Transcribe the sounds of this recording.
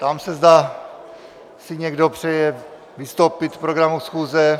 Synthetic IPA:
t̪amsɛzd̪aː | sɪɲɛɡdo̞pr̝̥ɛjɛ | vɪst̪owpɪt̪pɾoɡɾamusxuːzɛ

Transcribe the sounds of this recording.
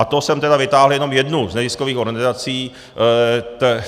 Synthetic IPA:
at̪osɛmt̪ɛdavɪt̪aːɦljɛno̞mjɛdnuznɛzɪskoviːxoɾɡɛnɪzat͡siː | t̪ɛ

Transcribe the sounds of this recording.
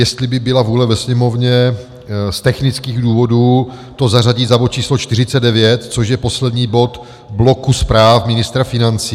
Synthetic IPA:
jɛst̪lɪbɪbɪlavuːlɛvɛsɲɛmo̞vɲɛ | st̪ɛxnɪt͡skiːɣduːvo̞duː | t̪o̞zaraɟiːzabot͡ʃiːslot͡ʃt̪ɪrɪt͡sɛd̚dɛvjɛt̪t͡so̞ʃjɛpo̞slɛd̪ɲiːbo̞t̪ | blo̞kuspɾaːfmɪnɪst̪ɾafɪnant͡siː

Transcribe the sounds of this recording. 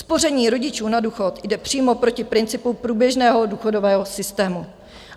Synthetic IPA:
spo̞rɛɲiːɾo̞ɟɪt͡ʃuːnaduːxo̞t̪jdɛpr̝̥iːmo̞pɾo̞cɪpɾɪnt͡sɪpupɾuːbjɛʒnɛːɦo̞duːxo̞do̞vɛːɦo̞sɪst̪ɛːmu

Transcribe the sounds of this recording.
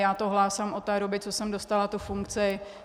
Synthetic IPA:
jaːt̪oɦlaːsamʔot̪ːɛːɾobɪt͡sosɛmdost̪alat̪ufuŋkt͡sɪ

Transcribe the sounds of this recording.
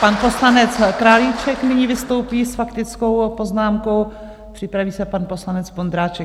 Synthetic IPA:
panpo̞slanɛt͡skɾaːlit͡ʃɛknɪɲiːvɪst̪o̞wpiːsfakt̪ɪt͡sko̞wpo̞znaːmko̞w | pr̥ɪpɾaviːsɛpanpo̞slanɛt͡sbond̪ɾaːt͡ʃɛk

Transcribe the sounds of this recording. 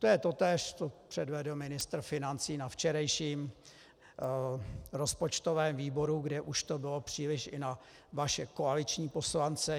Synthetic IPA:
t̪ojɛt̪ot̪ɛːʃt͡sopr̥ɛdvɛdl̩mɪnɪst̪ɾ̩fɪnant͡siːnaft͡ʃɛɾajʃiːm | ɾo̞spot͡ʃt̪ovɛːmviːbo̞ɾuɡdɛʔuʃt̪obɪlo̞pr̝̥iːlɪʃʔɪna | vaʃɛko̞alɪt͡ʃɲiːpo̞slant͡sɛ

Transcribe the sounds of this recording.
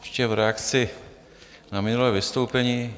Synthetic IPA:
ʃcɛvɾɛakt͡sɪ | namɪnulɛːvɪst̪owpɛɲiː

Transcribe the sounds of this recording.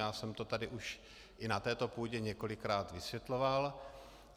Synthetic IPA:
jaːsɛmt̪o̞t̪adɪʔuʃ | ʔɪnat̪ɛːt̪o̞puːɟɛɲɛko̞lɪkɾaːt̪vɪsjɛt̪lo̞val

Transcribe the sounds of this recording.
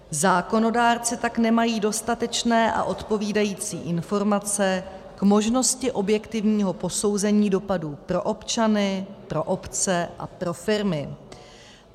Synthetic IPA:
zaːko̞no̞daːɾt͡sɪt̪aknɛmajiːdo̞st̪at̪ɛt͡ʃnɛːʔa̰ʔo̞t̪po̞viːdajiːt͡siːʔɪnfo̞ɾmat͡sɛ | kmo̞ʒno̞scɪʔo̞bjɛkt̪ɪvɲiːɦo̞po̞so̞wzɛɲiːdo̞paduːpɾo̞ʔo̞pt͡ʃanɪpɾo̞ʔo̞pt͡sɛʔa̰pɾo̞fɪɾmɪ

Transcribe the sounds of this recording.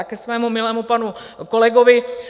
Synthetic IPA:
akɛsʋɛːmumɪlɛːmupanu | kolɛɡovɪ

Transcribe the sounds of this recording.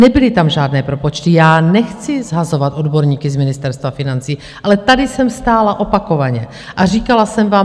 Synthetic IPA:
nɛbɪlɪt̪amʒaːdnɛːpɾo̞po̞t͡ʃt̪ɪjaːnɛxt͡sɪzɦazo̞vat̪ʔo̞dbo̞ɾɲiːkɪzmɪnɪst̪ɛɾst̪vafɪnant͡siː | ʔalɛt̪adɪsɛmst̪aːlaʔo̞pako̞vaɲɛ | ʔar̝iːkalasɛmvaːm

